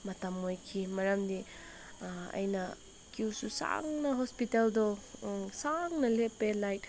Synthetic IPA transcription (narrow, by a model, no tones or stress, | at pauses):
mɐtɐmojkʰimɐɾɐmdi | ɐ̰jnɐ | kiwsusa̰ŋnɐɦospiteldɔsaŋnɐlepːelajt